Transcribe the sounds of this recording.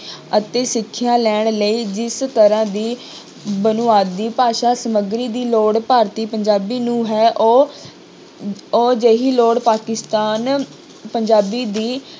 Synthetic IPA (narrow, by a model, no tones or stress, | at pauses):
ət̪eːsɪkʰːjaːlɛːɳ̃ləiːd͡ʒɪst̪əɾãːd̪iː | bənʊaːd̪ːiːpaːʃaːsəməɡɾiːd̪iːloːɽpaːɾt̪iːpəɲd͡ʒaːbiːnũːɦɛːʔ | oːd͡ʒeːɦiːloːɽpaːkɪst̪aːn | pəɲd͡ʒaːbiːd̪iː